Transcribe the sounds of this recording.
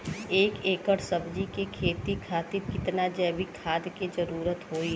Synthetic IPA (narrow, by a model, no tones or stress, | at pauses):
eːkeːkəɽsəbd͡ʒikekʰeːt̪ikʰaːt̪ɪɾkɪt̪nad͡ʒɛːbikʰaːd̪ked͡ʒɐɾuːɾət̪ɦoːi